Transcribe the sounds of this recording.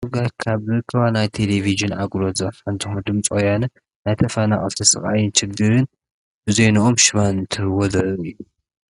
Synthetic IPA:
ɨɡakʰaβɾɨkʰːɐβanajt̪ʰe̞leviʒɨnʔaɡlot̪zaɾfant̪ʰɨxund̪ɨmt͡sʼojanɨ | najt̪ʰɐfanaχʼɨ̰lt̪ʰɐsɨ̰χʼa̰jɪnt͡ʃɪɡɨɾɨn | bɨzejnuʔomʃɨβanɨnt̪ʰɨɾɨwozɐɾɨjːu

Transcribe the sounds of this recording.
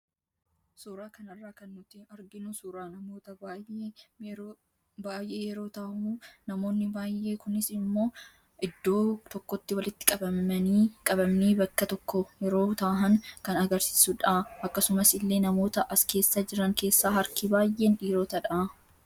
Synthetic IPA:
suːɾaːkɐnɐrːaːkɐnːʊt̪eɐɾɡɪnusuːɾaːnɐmo̞ːt̪ɐbaːjʔeːɾ | baːjʔe̞ːjɛɾo̞ːt̪aːmunɐmo̞ːnːɪbaːjːe̞ːkʊnɪsɪmːo̞ː | ʔɪd̪ːo̞ːt̪ɔkːɔt̪ːɪwɐlɪt̪ːɪ̥kʼɐbɐmːɐniːkʼɐbɐmniːbɐkːɐt̪ɔkːɔjɛɾo̞ːt̪aːɦɐŋkɐnɐɡɐɾsi̥ːsuᶑaːʔɐkːɐsʊmɐsɪlːe̞ːnɐmo̞ːt̪ɐʔɐske̞ːsːaːd͡ʒɪɾɐŋke̞ːsːaːɦɐɾkibaːjʔe̞ːnᶑiːɾoːt̪ɐᶑaː

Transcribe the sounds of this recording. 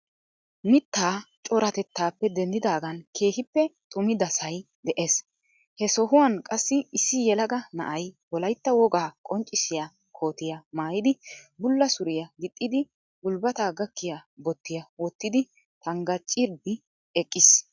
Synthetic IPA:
mɪt̪ːaːt͡ʃʼɔɾɐt̪ɛt̪ːaːpːɛd̪ɛnd̪ɪd̪aːɡɐnkʰe̞ːhɪpːɛt̪ʼʊmɪd̪ɐsɐj | d̪ɛʔes | hɛsɔɦʊwɐnkʼɐsːɪɪsːɪjɛlɐɡɐnɐ̰ʔɐjbɔlɐjt̪ːɐwɔɡaːkʼɔnt͡ʃʼːɪsɪja | kʰo̞ːt̪ɪjɐmaːjɪd̪ɪbʊlːɐsʊɾɪjɐɡɪt̪ʼːɪd̪ɪ | ɡʊlbɐt̪aːɡɐkːɪjabɔt̪ːɪjɐwɔt̪ːɪd̪ɪ | t̪ɐŋɡɐt͡ʃʼːɪɾb̪ɪ | ɛkʼːɪs

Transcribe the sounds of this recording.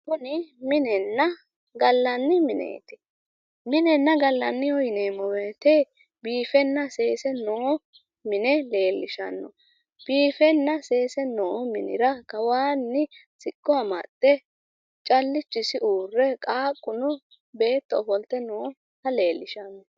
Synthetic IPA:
kʊnɪmɪnɛnːɐ | ɡɐlːɐnːɪmɪnḛːt̪ɪ̥ | mɪnɛnːɐɡɐlːɐnːɪɔjneːmɔweːt̪e | biːfɛnːɐse̞ːsɛnoː | mɪnɛle̞ːlːɪʃɐ̰nːɔ̰ | b̥iːfɛnːɐse̞ːsɛnoːmɪnɪ̰ɾɐkɐwaːnːɪsɪkʼːɔɐmɐ̰t̪ʼːɛ | t͡ʃʼɐlːɪt͡ʃːɪsɪʔuːrːɛkʼaːkʼːʊnɔ | be̞ːt̪ːɔɔfɔlt̪ɛnoː | hɐle̞ːlːɪʃɐnːɔ

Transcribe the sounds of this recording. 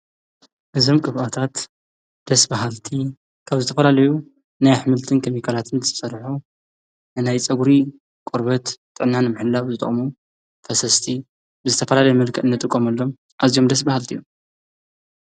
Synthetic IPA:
ʔɨzo̞mkʼɨβʔat̪ʰat̪ | d̪̥ɐsbaɦalt̪ʰi | kʰaβzɨt̪ʰɐfɐlalɐju | najħɨmɨlt̪ʰɨnkʰɐmikʰalat̪ʰɨnt̪ɨ̥sʼɐɾħu | nɨnajt͡sʼɐɡuɾi | kʼoɾbɐt̪ːʼ | ɨʕnːanɨmɨħɨlːaβzɨt̪ʼɐ̰χʼmu | fʰɐsɐst̪ʰi | bɨzɨt̪ʰɐfɐlalɐjmɨlkʰɐʔ̪ɨnːɐt̪ʼɨkʼːomɐlːo̞m | ʔazijo̞md̪ɐs̬bahalt̪ʰijːo

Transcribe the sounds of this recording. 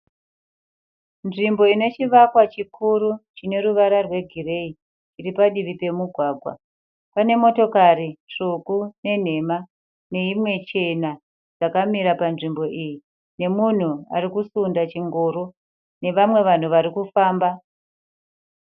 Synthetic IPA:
nʐimbo̞ine̞t͡ʃiʋakwat͡ʃikʰuɾut͡ʃine̞ɾuʋaɾarwe̞ɡʱire̞i | iripaɗiʋipe̞muɡʱwaːɡʱwa̰ | pane̞mo̞to̞kaɾit͡ʂukune̞n̤e̞ma | ne̞imwe̞t͡ʃe̞na | d͡zakamiɾapanʐimbo̞ʔiji | ne̞mun̤ua̰ɾikusundat͡ʃiŋɡo̞ːɾo̞ | ne̞ʋamwe̞ʋan̤uʋaɾikufaːmba

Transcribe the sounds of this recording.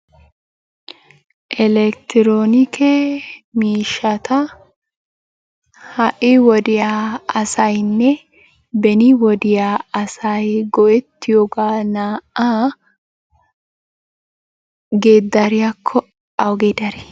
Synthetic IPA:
ʔɛlɛkt̪ɪɾoːnɪkɛmiːʃːɐt̪ɐ | hɐʔɪwɔd̪ɪjaːɐsɐjnːɛ | bɛnɪwɔd̪ɪjaːɐsɐjɡɔʔɛt̪ːɪjoɡaːnaːʔa | ɡe̞ːd̪ːɐɾɪjakʰːɔ | ɐwɡeːd̪ɐɾɪ

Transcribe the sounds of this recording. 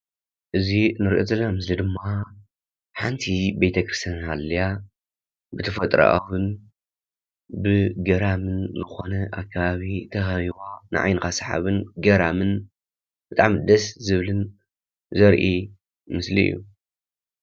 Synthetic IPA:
ʔɨzinɨɾiʔozɐlːɐnamɨslid̪ɨmːa | ħant̪ʰibejt̪ʰɐkɾɨst̪ʰjanalːija | bɨt̪ʰɐfɐt̪ʼɾa̰ʔa̰wɨn | bɨɡɐɾamɨnzɨxo̞nɐʔakʰːaβaβit̪ʰɐxɐβiβanɨ̰ʔʕa̰jnɨkasħa̰βɨnɡɐɾamɨn | b̥ɨt̪ʼa̰ʕmɨd̪ɐszɨβlɨn | zɐɾʔi | mɨslḭḭjːṵ

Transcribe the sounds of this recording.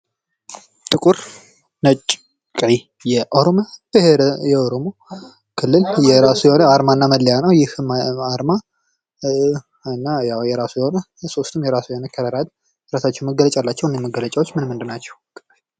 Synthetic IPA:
t̪ʼɨkʼuɾ | nət͡ʃʼː | kʼʕi | jɛʔoɾomab̥ɨheɾjɛoɾo̞mo̞ | kʰɨlːɨljɛɾasujɛhonəaɾmanːaməlːejanəwjɪhɨmaɾma | ɨnːajawjɛɾasujɛho̞nə | so̞st̪ʰɨmjɛɾasujɛhonəkʰəd̪əɾad̪ʼ | ɾasat͡ʃːɛwnməɡələt͡ʃʼalːat͡ʃːɛhwɨnːeməɡələt͡ʃʼawot͡ʃːmɨnmːɨnd̪ɨnat͡ʃːɛwkʼː

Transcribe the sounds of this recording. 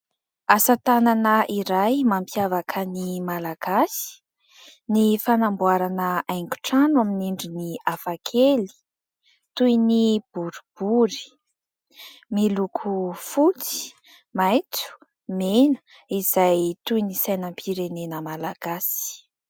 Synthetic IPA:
asat̪ananəʔiɾajmampjavakʰənimalaɡ̥asi̥ | nifanambuaɾanəajŋɡu̥ʈ͡ʂanwaminiɳɖ͡ʐiniafakʰeli̥ | t̪ujnib̥uɾib̥uɾi̥ | milukʰufut͡si̥ | majt͡su̥ | menə̥ | iz̥ajt̪ujnisajnəmpʰiɾenenəmalaɡ̥asi̥

